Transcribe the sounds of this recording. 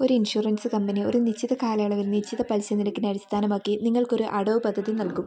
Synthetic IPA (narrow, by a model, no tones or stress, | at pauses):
o̞ɾuinʂuːrɐnsɨkɐmbɐnio̞̰ɾunit͡ɕʰiðɐkaːlɐːɭɐʋilnit͡ɕʰːiðɐpɐlsɐniɾɐkːinɐɽist̪ʰaːnɐmaːkːiniŋːɐɭko̞ɾuʔɐɽoːʋpɐd̪ʱːɐðinɐlkum